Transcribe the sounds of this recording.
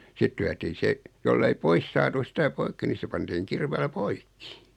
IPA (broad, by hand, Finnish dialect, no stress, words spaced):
sit lyætiː se jolːei pois sɑːtu sitæ poikːi ni se pɑntiːŋ kirʋeːlæ poikːi